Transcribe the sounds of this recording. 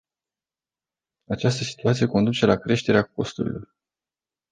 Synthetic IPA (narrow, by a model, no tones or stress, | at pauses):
at͡ʃast̪əsi̥t̪uat̪sije̞ko̞nd̪ut͡ʃe̞lakɾe̞ʃt̪e̞ɾeako̞st̪uɾḭlo̞r